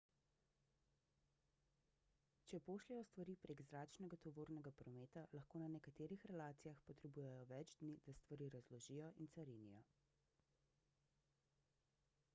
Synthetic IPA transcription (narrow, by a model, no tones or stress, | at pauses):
t͡ʃɛpoːʃlɛjɔst̪ʋaɾiːpɾeɡzɾaːt͡ʃnɛɡat̪ɔʋoːɾnɛɡapɾɔmeːt̪alɐxkoːnanɛkat̪eːɾixɾɛlaːt̪sijaxpɔt̪ɾɛbuːjɛjɔʋɛd͡ʒd̪nid̪̥ast̪ʋaɾiːɾazlɔʒiːjɔʔinsaɾinijɔ